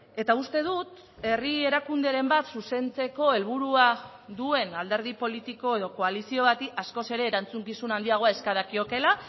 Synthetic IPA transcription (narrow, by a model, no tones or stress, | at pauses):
e̞t̪aust̪e̞ð̞ut̪ | e̞rie̞ɾakund̪eɾe̞mbat̪suse̞nt͡se̞ko̞e̞lβ̞uɾua | ðue̞nald̪e̞ɾð̞ipo̞lit̪iko̞e̞ðo̞ko̞alisio̞βat̪iasko̞se̞ɾe̞ːɾant͡suŋkisunand̪iaɣ̞o̞ae̞skaðakio̞ke̞la